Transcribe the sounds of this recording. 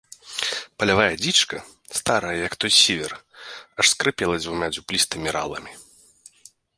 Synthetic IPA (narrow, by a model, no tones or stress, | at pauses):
pɐlʲavajɐd͡zʲit͡ʂkɐ | st̪aɾɐjɐjɐkt̪ɔjsʲevʲɛrɐʂskɾɨpʲɛlˠɐd͡zʲvumʲad͡zʲuplʲist̪ɨmʲiɾa̰lˠɐ̰mʲi